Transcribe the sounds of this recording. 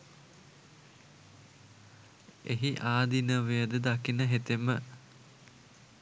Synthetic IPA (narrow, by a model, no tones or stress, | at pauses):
eɦiʔaːd̪inəʋejəd̪əd̪akinəɦet̪emə